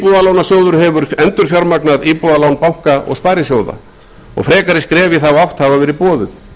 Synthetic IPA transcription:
puðalawnasjowðʏɾ̥ɦɛvʏɾ̥ɛnt̪ʏɾ̥fjaɾmaknaðiːpuðalawnpawlkaɔ̰ɣspaːjɾɪsjoːwða̰ | ɔ̰ɣfɾɛːkaɾɪskɾɛːvɪθawawht̪havavɛːɾɪpɔːðʏθ

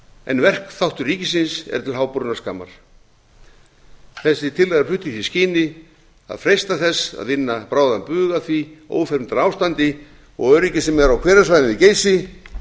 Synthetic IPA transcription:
ɛ̰nvɛr̥kθawht̪ʏriːcɪsɪnsɛ̰ɾ̥t̪ʰɪlɦaːwpʏɾʏnaskaːma̰ɾ̥ | θɛsːɪt̪ʰɪlːajɣarflʏht̪ɪθisciːnɪ | a̰ðfɾejst̪aθɛsːa̰ðɪnːapɾaːwðampʏːɣaθvio̰ːwfɛɾmnt̪aɾawst̪ant̪ɪ | ɔ̰ɣœɥɾicɪsɛmɛɾawkʰvɛːɾasvajðɪniceːjsɪ

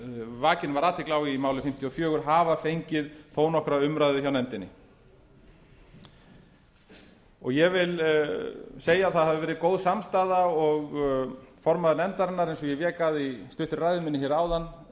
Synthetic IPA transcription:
vaːcɪnvaɾaːt̪ʰɪhklawimaːwlʏfɪm̥t̪ʰjɔfjœːɣʏɾ̥ɦaːvafejɲcɪðθʰoːwnɔhkɾaʏmɾajðʏçawnɛnt̪ɪnːɪ | ɔɣjɛvɪl | seːjaːðθaðhavɪvɛːɾɪkoːwðsamst̪aːðaɔɣ | fɔɾmaðʏnɛnt̪aɾɪnːaɾejnsɔjɛvjɛːkaðist̪ʏht̪ʏɾrajðʏmɪnːɪçɛɾaːwðanː

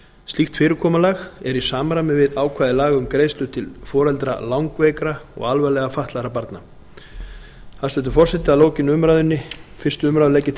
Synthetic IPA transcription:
st̪ixt̪fɪːɾʏɾkʰɔːmalaxɛɾisaːmɾamɪvɪðaːwkʰvaːðɪlaːɣʏmkɾeːjst̪ʏt̪ʰɪlfɔːɾɛlt̪ɾa̰lawŋkvɛːjkɾaɔ̰ɣalvalɛɣafaht̪laɾapaɾt̪na | θaðslœːt̪ʏɾfɔr̥sɛt̪ɪaðloːwcɪnːʏmɾajðʏnːɪfɪrst̪ʏʏmɾaðlɛcːɪ

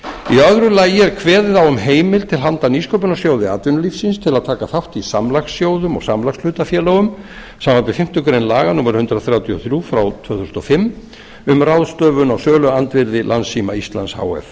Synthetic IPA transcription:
iœðɾʏlaːjɛɾkʰvɛːðɪðawʏmɦeːjmɪlt̪ʰɪlɦant̪aniskʰowpʏnɔsjoːwðɪaːt̪vʏnʏlifsɪnst̪ʰɪlaðt̪ʰaːkaθawht̪isamlaxsjoːwðʏmɔ̰ɣsamlaxslʏːt̪afjɛːloɣʏm | samvanpvɪfɪm̥t̪ʏkɾejnlaːɣanuːmɛɾhʏnt̪ɾaθɾjawt̪ʰjɔ̰θɾjufɾawt̪ʰv̥œːwθʏsnɔfɪm | ʏmrawðst̪œːvʏnawsœːlʏant̪vɪɾðɪlansima̰ist̪la̰nsha̰ːwɛ̰f

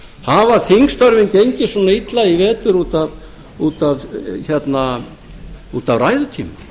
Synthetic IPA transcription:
haːvaθiŋst̪ɔɾvɪncejɲcɪsuːnait̪laivɛːt̪ʏɾuːt̪av | uːt̪avçɛt̪na | uːt̪avraːjðʏt̪ʰiːma

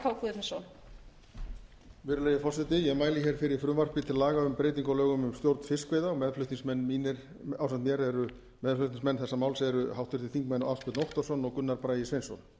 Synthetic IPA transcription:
kʰawkuðɪnɪsɔn | vɪɾʏlejɪfɔrsɪt̪ɪjɛɣmaːjlɪçɛɾ̥fɪɾɪɾ̥fɾʏmvar̥pɪt̪ʰɪlːaːɣaʏmpɾejt̪̬iŋkɔlœːɣʏmʏmst̪jowɾt̪n̥fɪskveːjðaɔmɛðflʏht̪iŋsmɛnːminɪɾ | awsant̪njɛɾɛɾʏ | mɛðflʏht̪ĩŋsmɛnːθɛsːamaːwlsɛɾʏhawht̪vɪɾt̪ɪθiŋkmɛjnaafst̪pʏt̪nɔwht̪ɔ̥sɔnɔɣkʏnːaɾpɾaːjɪsvejnsɔ̰n

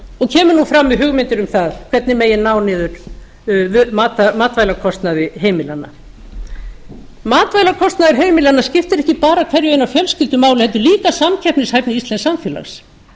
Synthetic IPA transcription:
ɔɣcʰɛːmʏɾnufɾamːɪðɦʏɣmɪnt̪ʏɾʏmθaðkʰv̥ɛt̪nɪmejɪnaːwnɪːðʏɾ̥ | maːt̪amaːt̪vajlakʰɔst̪naðɪɦeːjmɪlanːa̰ | maːt̪vaːjlakʰɔst̪naðɪɾ̥ɦeːjmɪlanːascɪft̪ɪɾɛhcɪpaːɾakʰv̥ɛɾjʏejnawfjɛlscɪlt̪ʏmaːwlɪɛt̪̬ːʏɾliːkasamcʰɛhpnɪshaːjpnɪist̪lɛnsamfjɛla̰xs

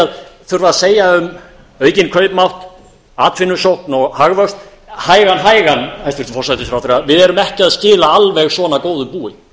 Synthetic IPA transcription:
aðθʏɾvaðaseːjaʏm | œːɥcɪnkʰœɥpmawht̪ | aːt̪fɪnːʏsowhknɔɣhaɣvœkst̪ | haːjɣanɦaːjɣanhajst̪vʏɾ̥t̪fɔrsajt̪ɪsfɾawθɪɾaðvɪðɛɾʏmɛhcɪaðscɪːlaalvɛɣsvɔːnakoːwðʏpuːɪ

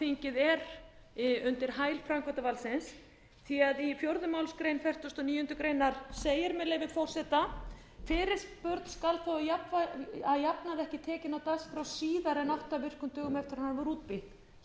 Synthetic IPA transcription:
θeɲcɪðɛɾ | ʏnt̪ɪɾ̥ɦaːjlfɾaŋkʰat̪avalsɪns | θʰiaðifjowɾðʏmaːwlskɾejnfɛr̥t̪ɔst̪ɔniːjʏnt̪ʏkɾejnaɾ̥seːjɪɾmɛðlejvɪnfɔr̥sɛt̪a | fɪːɾɪɾ̥spœɾt̪n̥skalθawjapvaaðjapnaðɛhcɪt̪ʰɛːcɪnawt̪asfɾawsiːðaɾɛnaht̪avɪr̥kʏmt̪œːɣʏmɛft̪ɪɾahanvaɾuːt̪̚pɪk

